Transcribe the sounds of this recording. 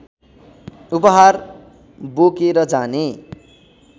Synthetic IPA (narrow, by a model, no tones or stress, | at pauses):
upʌɦar | bokeɾʌd͡zane